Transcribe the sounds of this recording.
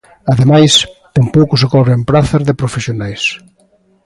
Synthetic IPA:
aðemajst̪empowkʊsɪkɔβɾempɾaθɐzðepɾofesjonajs

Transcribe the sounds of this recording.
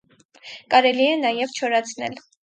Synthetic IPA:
kɑɾɛliɛnɑjɛvt͡ʃʰɔɾɑt͡sʰnɛ̰l

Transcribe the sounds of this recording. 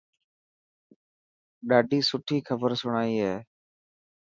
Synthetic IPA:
ɗaːɖiːsʊʈʰiːkʰəbəɾsʊɳ̃aːiːɦeː

